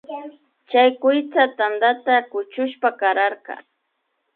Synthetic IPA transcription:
t͡ʃajkʊjt͡sat̪and̪at̪akʊt͡ʃʊʃpakaɾaɾkɑ̰

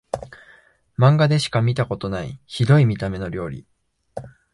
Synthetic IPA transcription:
mãŋɡad̪e̞ɕi̥kamʲit̪ako̞t̪o̞naḭçid̪o̞imʲit̪ame̞no̞ɾʲo̞ːɾʲḭ

